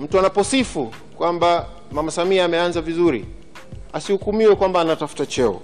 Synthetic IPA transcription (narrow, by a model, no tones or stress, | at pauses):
m̩tuanapɔsifu | kwamba | mamasamiaːmɛanzavizuɾḭ | asihukumiwɛkwambaːnatafu̥tat͡ʃɛɔ̰